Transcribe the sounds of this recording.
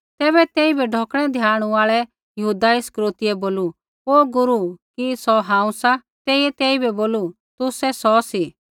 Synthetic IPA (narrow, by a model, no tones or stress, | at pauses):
t̪ɛːβɛt̪ɛːibɛɖʱɔːkɽ̃ɛd̪ʱjaːɽ̃uaːɭɛ | jɐɦud̪aiskɾoːt̪ɪɛboːlu | oːɡʊɾukisɔɦãːũsa | t̪ɛːiɛt̪ɛːibɛboːlu | t̪ʊsɛsɔsi